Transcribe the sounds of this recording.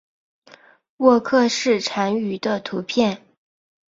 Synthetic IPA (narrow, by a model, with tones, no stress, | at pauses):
wɔ˥˧kʰɤ˥˧ʂɻ̩˥˩ʈ͡ʂʰa˧˥ny˧˥d̪ə˧t̪ʰu˧˥pʰjɛ˥˩n